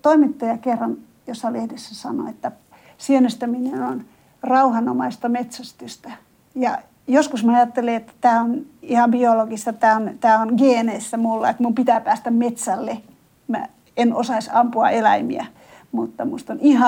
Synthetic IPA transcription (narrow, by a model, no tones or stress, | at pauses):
t̪oimit̪ːɑjɑkerːɑn | josːɑlehdesːæsɑ̰no̰et̪ːæ | siønøst̪æminenon | rɑuhɑnomɑist̪ɑmet̪sæst̪yst̪æ | jɑ̰ | joskusmɑjɑt̪ːeleet̪ːæ̥t̪æːonihɑmbioloɡ̥ist̪ɑt̪æːont̪æːonɡeːneisːæmulːɑ̰et̪mumpit̪æˑpæːst̪æmmet̪sælːe | mæ̰ | enosɑisɑmpuɑ̰elæ̰imḭæ̰ | mut̪ːɑmust̪onihɑ